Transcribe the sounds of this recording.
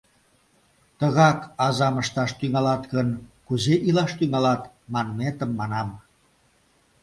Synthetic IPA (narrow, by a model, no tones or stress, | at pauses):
t̪əɣɑkɑzɑməʃt̪ɑʃt̪yŋɑlɑt̪ɣənkuzeʔilɑʃt̪yŋɑlɑt̪ | mɑnmet̪əmːɑnɑm